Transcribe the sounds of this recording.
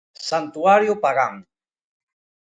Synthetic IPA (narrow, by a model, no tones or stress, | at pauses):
sant̪uaɾjopaɣaŋ